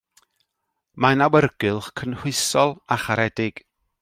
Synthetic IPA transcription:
manawərɡ̥ɨlˠχkʰənhʊɨsɔlˠaχaɾɛdɪɡ̥

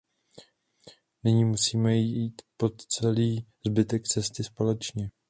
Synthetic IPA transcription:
nɪɲiːmusiːmɛjiːt̪po̞t̪t͡sɛliːzbɪt̪ɛkt͡sɛst̪ɪspo̞lɛt͡ʃɲɛ

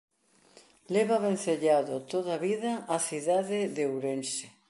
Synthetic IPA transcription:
leβaβẽn̟θeʎaðot̪oðaβiðaːθiðaðɪðewɾense

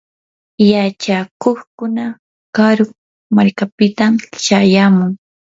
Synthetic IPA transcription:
jat͡ʃakoχkʊna | kaɾʊ | maɾkapɪt̪amt͡ʃajamʊŋ

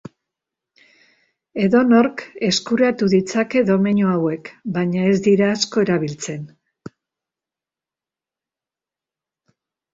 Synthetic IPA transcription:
e̞ðo̞no̞ɾke̞skuɾat̪uðit͡sake̞ðo̞meɲoawe̞kbaɲae̞zd̪iɾaːsko̞e̞ɾaβilt͡se̞n

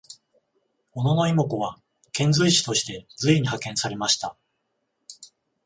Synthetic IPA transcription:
o̞no̞no̞imokoβa | kẽ̞nzɨiɕi̥t̪o̞ɕi̥t̪e̞d͡zɨiɲ̟ihakẽ̞saɾe̞maɕi̥t̪a

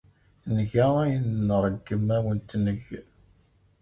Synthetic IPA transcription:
nəʝææjənːəɾˤəɡːəmæwənt̪nəʝ

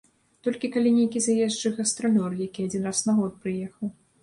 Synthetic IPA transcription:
t̪ɔlʲkʲikalʲinʲejkʲizajɛzd͡ʐɨɣɐst̪ɾɔlʲɔrjakʲiad͡zʲinrasnɐɣɔt̪̚pɾɨjɛxɐw

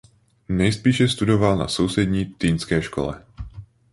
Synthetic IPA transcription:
ɲɛjspiːʃɛst̪udovalna̰sowsɛd̪ɲiːt̪iːnskɛːʃkɔ̰lɛ̰

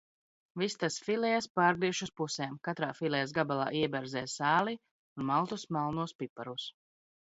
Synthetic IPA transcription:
vist̪asfilɛjaspaːɾɡɾiɛʃuspuseːmkat̪ɾaːfilˠɛjas̬ɡabalˠa̰ːʔiɛbɛɾzɛːsaːli | unmalˠt̪usmalˠnuɔspipːaɾus

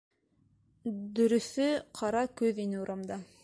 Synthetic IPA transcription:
d̪ɵ̆ɾɵ̆θɵqʰɑɾɑkʉðinɘuɾʔɑmd̪ɑ

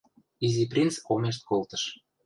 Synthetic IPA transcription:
iziprʲint͡skomeʃ̬t̪̚kolt̪ə̥̆ʃ

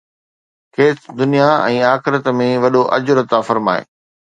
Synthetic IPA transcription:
kʰeːsd̪ʊnijaɛ̰̃ːaːxɪɾət̪mẽʋɐɗoʔɐd͡ʑʊɾɐt̪afɐɾma̰ːḛː

